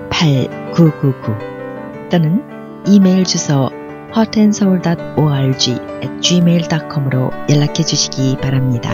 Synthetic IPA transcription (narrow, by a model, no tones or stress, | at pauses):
pʰaɭkuɡuɡu | t͈onɯn | ime̞iɭd͡ʑusʰʌ | hʌtʰensʰʌuɭdat̚oaɭd͡ʑiet̚t͡ɕime̞iɭdakʰʌmɯɾojʌɭːakʰed͡ʑuɕʰi̥ɡipaɾamɲida̰